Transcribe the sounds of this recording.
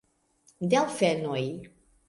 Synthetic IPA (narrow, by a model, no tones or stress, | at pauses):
d̪ɛwfɛnɔj